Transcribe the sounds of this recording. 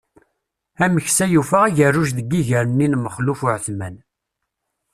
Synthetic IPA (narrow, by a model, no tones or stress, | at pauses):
æməçsæjufəʁiʝərːuʒðəɡːiʝəɾənːinməχlufʊʕθmæn